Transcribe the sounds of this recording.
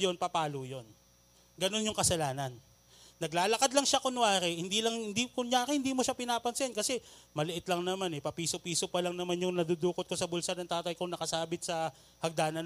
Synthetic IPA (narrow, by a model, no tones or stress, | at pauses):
jo̞npɐpaːlojo̞n | ɡɐno̞njʊŋkɐsɐlaːnɐnː | ɐɡlaːlɐkad̪lɐŋʃakonʊwaːɾɛhɪnd̪iːlɐŋɪnd̪ikʊŋjaːɾɪhɪnd̪iːmoʃapɪnaːpɐnsɛnkɐsɛmɐlɪʔɪt̪lɐŋnɐmanɛpɐpiːsopiːsopɐlɐŋnɐmanjʊŋnɐd̪ud̪uːkot̪ko̞sɐbʊlsɐɾnɐŋt̪aːt̪ɐjkoŋnɐkɐsaːbɪt̪sɐ | hɐɡ̚d̪aːnɐn